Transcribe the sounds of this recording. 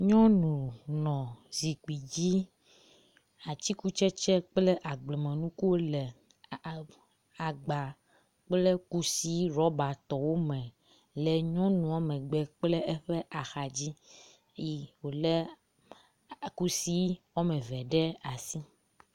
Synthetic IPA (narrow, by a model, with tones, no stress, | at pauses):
ɲɔ̃˦nũ˨nɔ̃˨zi˨ki˨d͡ʑi˦ | a˨t͡ɕi˦ku˦t͡ʃɛ˦t͡ʃɛ˦k͡ple˦ʔa˨ɡ͡blɛ˨mɛ̃˨nũ˦ku˦wo˦lɛ˨ | a˨ɡ͡ba˨ | k͡ple˦ku˦si˦ɾɔ˦ba˨t̪ɔ˨wo˦mɛ̃˨ | lɛ˨ɲɔ̃˦nũ˨ɔ˦mɛ̃˨ɡ͡bɛ˨k͡ple˦ʔe˦ɸɛ˦ʔa˨xa˨d͡ʑi˦ | e˦ji˦wo˨le˦ | ku˦si˦wɔ˦mɛ̃˨vɛ˨ɖɛ˦a˨si˦